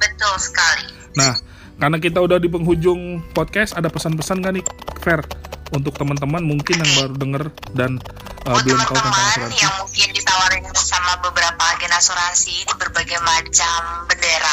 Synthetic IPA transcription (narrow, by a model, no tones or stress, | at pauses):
bət̪ʊlsə̥kali | nah | karnak̬it̪̬audahdip̬əŋɦud͡ʒʊŋpɔt̪̚kɛsadapəsanpəsankanifɛrunt̪̬ʊk̚t̪əmənt̪̬əmanmuŋkɪnjaŋbaɾudəŋərdanəbillamt̪awakamaɾajaŋmuŋkɪndit̪awaɾɪnsamabəbəɾapaɡenasoɾasibərbaɡajmat͡ʃambəndeɾa